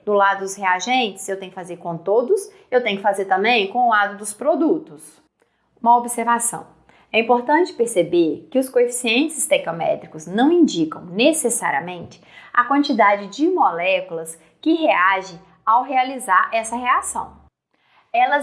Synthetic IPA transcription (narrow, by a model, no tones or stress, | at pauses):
d̪ʊlad̪ʊd̪ʊsheaʒẽnt͡ʃɪ̥sewt̪ẽj̃ʊkɪfazeɾkõt̪od̪ʊs | ewt̪ẽj̃ʊkɪfazeɾt̪ɐ̃mbẽj̃kõʊlad̪ʊd̪ʊspɾod̪ut̪ʊs | ũmɐobiseɾvasɐ̰̃w̃ | ɛĩmpoɾt̪ɐ̃t͡ʃɪ̥peɾsebeɾkɪʊskoefi̥siẽnt͡ʃɪst̪ɛk̪omɛ̰t̪ɾikʊznɐ̃w̃ĩnd͡ʒikɐ̃w̃nesesa̰ɾiɐ̰mẽnt͡ʃɪ̥a̰kwɐ̃nt͡ʃid̪ad͡ʒɪd͡ʒɪmolɛkulɐs | kɪɦeaʒɪ̃ | awɦealizaɾɛsɐɦeasɐ̰̃w̃ | ɛlɐ